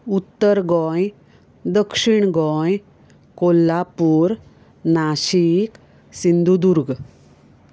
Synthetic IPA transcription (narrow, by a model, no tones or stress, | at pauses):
ut̪ːəɾɡɔ̃j | d̪əkʂiɳɡɔ̃j | kolːapuːɾ | naɕik | sind̪ʱud̪uɾɡ